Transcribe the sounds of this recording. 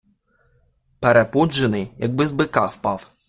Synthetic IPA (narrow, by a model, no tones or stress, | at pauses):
peɾepɔd͡ʒːenɪjjɐɡ̚bɪzbɪkɑwpɑw